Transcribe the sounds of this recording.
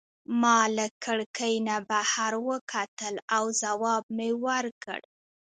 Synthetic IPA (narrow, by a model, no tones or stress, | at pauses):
mɑləkʰəɽkəjnabahaɾwəkʰat̪əlawzawɑb̚mewəɾkə̰ɽ